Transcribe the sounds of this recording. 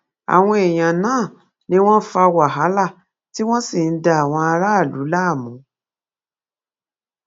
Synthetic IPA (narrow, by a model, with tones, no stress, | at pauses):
a̰˨w̃ɔ̃˧e˨j̃ã˨nãː˦˨ | nĩ˧˦w̃ɔ̃˦fa˧wa˨ɦa˨˦la˦˨ | ti˦w̃ɔ̃˦si˦˨n̩˦da˧a˨w̃ɔ̃˧a˧ɾa˦˨lu˨˦la˦˨mũ˨˦